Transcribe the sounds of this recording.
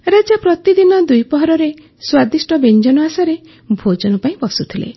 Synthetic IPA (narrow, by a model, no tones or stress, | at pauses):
ɾad͡ʒapɾɔt̪id̪inɔd̪ujpɔɦɔɾɔɾe | swad̪isʈɔbend͡ʒɔnɔasaɾe | bʱod͡ʒɔnɔpaĩbɔsut̪ʰilḛ